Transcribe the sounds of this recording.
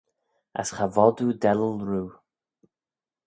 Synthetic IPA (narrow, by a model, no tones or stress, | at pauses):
a̰sxavɔd̪ud̪ɛləlɹuː